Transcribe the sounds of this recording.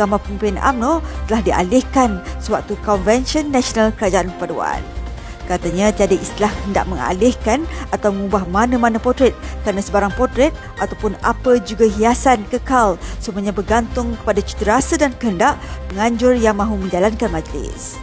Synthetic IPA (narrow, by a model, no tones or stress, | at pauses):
kamapumpuanʔa̰mnot̪əlahdia̰lɪhkansəwa̰k̚t̪ukɔnvɛnʃiənːasionalkəɾad͡ʒaʔankəpadua̰n | kat̪aɲãt̪iadəʔist̪ilahkhənda̰ʔmə̃ŋa̰lɪhkanat̪awməŋubahmanãmanãpɔrt̪ɾɛt̪̚kəɾanasəbaɾaŋpɔrt̪ɾɛt̪̚ʔat̪awpʊna̰pəd͡ʒuɡaɦiasankəkalsəmuaɲabərɡant̪ʊŋkə̥padat͡ʃu̥t̪əɾasadankəɦəndaʔməŋãɲd͡ʒʊrjaŋmãɦumə̃ɲd͡ʒalankanmãd͡ʒəlɪ̰s